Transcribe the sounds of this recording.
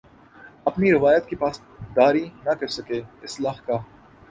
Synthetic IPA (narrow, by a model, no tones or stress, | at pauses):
ɐpniɾɪʋaːjət̪kepaːs | d̪aːɾinɐkɐɾsɐkeːɪslaːxkaː